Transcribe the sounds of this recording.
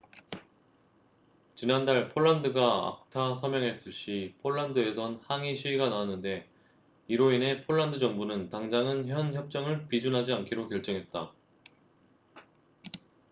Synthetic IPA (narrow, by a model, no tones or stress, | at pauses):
t͡ɕinandaɭpʰoɭːandɯɡaa̰k̚tʰasʰʌmjʌŋɦe̞s͈ɯɭɕ͈ipʰoɭːandɯe̞sʰʌnhaŋiɕʰiiɡanawanːɯnde̞ | iɾoine̞pʰoɭːandɯd͡ʑʌŋbunɯntaŋd͡ʑaŋɯnçjʌnçjʌp̚t͡ɕ͈ʌŋɯɭpid͡ʑunɦad͡ʑiankʰiɾokjʌɭt͡ɕ͈ʌŋɦe̞t̚t͈a